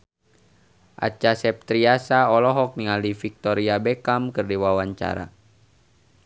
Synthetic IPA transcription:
ʔa̰t͡ʃasɛp̚t̪ɾiasaɔlɔɦɔk̚niŋaldifik̚t̪ɔɾiabɛkamkərdiwawaɲt͡ʃa̰ɾa̰

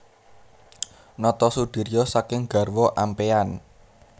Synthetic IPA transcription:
nɔt̪ɔsud̪̥i̤ɾijɔsakɪŋɡ̥a̤rwɔʔampean

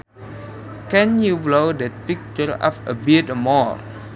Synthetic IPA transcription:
kɛ̃njublodɛt̚pik̚t͡ʃəɹɔ̰fə̰bitmɔɹ

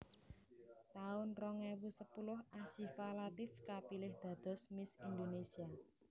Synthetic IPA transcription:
t̪aʊnrɔŋewusəpulʊhaʃifalat̪ɪfkapilɪhd̪̥ä̤d̪̥ɔ̤smɪsind̪onesia

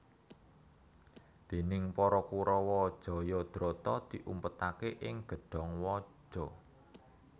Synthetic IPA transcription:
d̪̥e̤nɪŋpɔɾɔkuɾɔwɔd̥ʒ̥ɔ̤jɔd̪̥ɾot̪ɔd̪̥i̤ʔumpət̪akeʔɪŋɡ̥ə̤ɖ̥ɔ̤ŋwɔ̥ʒ̥ɔ̤

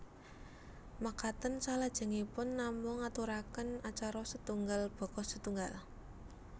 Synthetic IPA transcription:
makat̪ənsalad̥ʒ̥ə̤ŋipʊnːamʊŋat̪uɾakənat͡ʃaɾɔsət̪uŋɡalb̥ɔ̤kɔsət̪uŋɡal

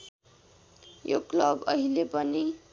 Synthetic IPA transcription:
jo̰klʌbʌ̰ɦilepʌni

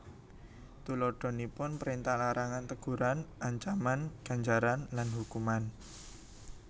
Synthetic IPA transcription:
t̪ulɔɖ̥ɔ̤nipʊnpəɾint̪ahlaɾaŋant̪əɡ̥ṳɾanʔaɲt͡ʃamanɡ̥a̤ɲd͡ʒaɾanlanhukuman

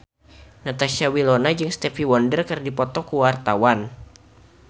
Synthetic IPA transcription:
nat̪aʃiawilonad͡ʒɨŋst̪ɛfiwɔndərkɨrdipɔt̪ɔkuwart̪awan

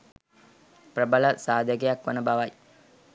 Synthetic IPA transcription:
prəbələsaːd̪ʱəɡejakʋənəbaʋaj

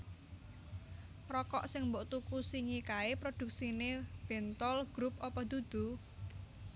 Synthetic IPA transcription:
rɔkɔ̰ʔsɪŋmboʔt̪ukusiŋikaepɾod̪̥ṳk̚sineb̥ɛ̤nt̪ɔlɡ̥ɾup̚ɔpɔd̪̥ud̪̥ṳ

